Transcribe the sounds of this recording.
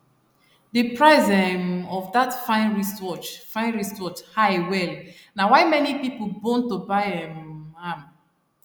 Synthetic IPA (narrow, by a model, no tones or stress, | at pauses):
depɹaɪzɛmɔvdatfãɪ̃nɹisɔt͡ʃfãɪ̃nɹisɔt͡ʃhawɛl | nawaɪmɛnipipolbɔ̃ntobaɪɛ̃mãm